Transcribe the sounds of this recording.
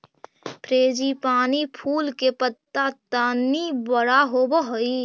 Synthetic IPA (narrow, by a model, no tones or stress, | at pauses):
pɾeːd͡ʒipaːnipʰuːlkepət̪ːat̪aːnibəɽaɦobəɦoi